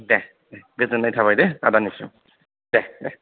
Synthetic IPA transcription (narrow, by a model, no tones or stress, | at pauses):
dɛ | dɛbezɛnajtʰaβajdɛadanisʊ̰ | d̥ɛdɛ